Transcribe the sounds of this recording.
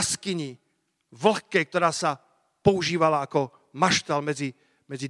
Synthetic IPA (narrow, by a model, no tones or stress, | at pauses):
skiɲi | ʋl̩xkɛk̚t̪ɔɾaːsa | pɔuʒiːʋalaːkɔ | maʃt̪ɛlmɛd͡zi | mɛd͡zi